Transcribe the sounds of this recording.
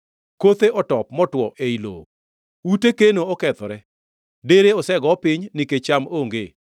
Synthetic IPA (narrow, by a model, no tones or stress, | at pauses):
kot̪eʔɔtɔpmɔtwɔʔeilo̰ɡ | utekenoɔkɛt̪ɔɾɛ | deɾeɔsɛɡɔpɪɲnɪket͡ʃamoŋɡe